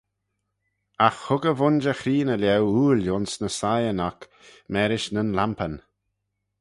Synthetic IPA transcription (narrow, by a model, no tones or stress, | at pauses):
axhʊɡəvʊnd͡ʒəxɾiːnəlɛwuːljʊnsnəsajənak | mɛːɾɪʃnənlampən